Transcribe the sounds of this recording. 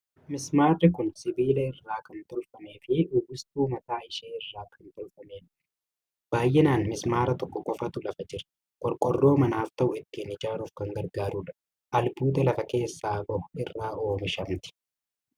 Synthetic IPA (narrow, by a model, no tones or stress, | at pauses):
mɪsmaːrːɪkʊnsɪbiːlɐɪrːaːkɐnt̪ɔlfɐme̞ːfɪʔʊɡʊst̪uːmɐt̪aːɪʃeːɪrːaːkʰɐnt̪ɔlfɐmeːᶑ | b̥aːjʔɛnaːnmɪsmaːɾɐt̪ɔkːɔkʼɔfɐt̪ʊlɐfɐd͡ʒɪɾ | kʼɔlkʼɔrːo̞ːmɐnaːft̪ɐʔʊɪt̪ːiːnɪd͡ʒaːɾuːfkɐŋɡɐɾɡaːɾuᶑɐ | ʔɐlbuːd̪ɐlɐfɐke̞ːsːaːbɔhɪrːaːo̞ːmɪʃɐmt̪ɪ̥